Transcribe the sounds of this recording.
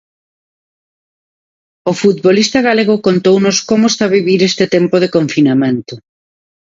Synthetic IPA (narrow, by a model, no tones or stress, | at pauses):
ʊfut̪̚βolist̪ɐɣaleɣ̞ʊkont̪ownʊskomʊest̪aβiβiɾest̪ɪt̪empoð̞ɪkoɱfinamẽnt̪ʊ